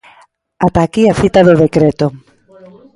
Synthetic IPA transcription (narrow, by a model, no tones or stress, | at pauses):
at̪akiaθit̪aðoðekɾet̪ʊ